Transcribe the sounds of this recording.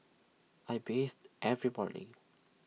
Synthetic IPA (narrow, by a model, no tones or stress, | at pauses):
ʔajbestʔɛvɹibɔ̰dḭ